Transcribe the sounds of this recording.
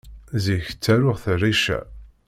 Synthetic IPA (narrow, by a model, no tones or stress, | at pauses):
ziç̥t͡sːæɾʊʁθərːiʃæ̰